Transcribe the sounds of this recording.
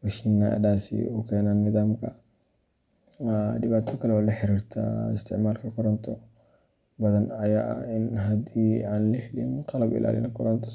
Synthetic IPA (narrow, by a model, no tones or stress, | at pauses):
wɐʃiːnɐ̰ɖaːsḭṵkʰɛːnaːnnɪðaːmkʰɐ | dɪβaːt̪ʰɔkʰɐlɛwaːlɐħɪɾiːrt̪ʰa̰ɪst̪ʰɪʕmaːlkʰɐkʰɔɾɔnt̪ʰɔ | bɐðɐnɐjaːʔɐ̰ɪnɦɐd̪iːaːnlɪħlḭnqɑlɐbɪ̰lʔa̰ːlɪ̰nɐkʰɔɾɔnt̪ʰɔ̥